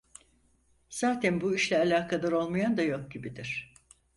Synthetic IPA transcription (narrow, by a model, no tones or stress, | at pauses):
z̥aːt̪ʰænbuiʃlʲɛalʲaːkʰalˠaɾo̞lˠmajand̪ajo̞k̚ɟibid̪iɾ̝̥